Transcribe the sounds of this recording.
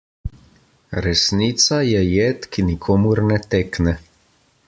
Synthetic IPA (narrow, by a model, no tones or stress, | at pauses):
ɾɛsniːt̪sajɛjeːt̪kinikʰoːmuɾnɛt̪eːknɛ